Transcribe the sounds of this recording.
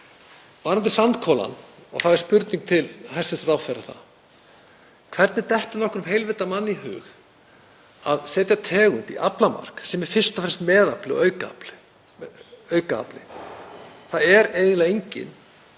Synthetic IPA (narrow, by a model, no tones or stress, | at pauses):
vaːɾant̪ɪsant̪kʰɔːla̰nɔ̰θaðɪɾ̥spʏɾt̪niŋk̚t̪ʰɪlhajst̪fɪst̪raːwθɛɾḁθa̰ð | kʰv̥ɛɾt̪nɪt̪ɛht̪ɪnɔhkʏɾʏmɦejlvet̪amanːiɦʏ̰ːx | a̰ðsɛːt̪jat̪ʰɛːɣʏnt̪ḭʔaplama̰r̥ksɛmɛɾ̥fɪr̥st̪afɾɛ̥st̪mɛːðaplɪɔ̰œɥkaplɪ | œːɥkaa̰plɪ̰ | θaðɛɾeːjvɪnlaɣejɲcɪ̰n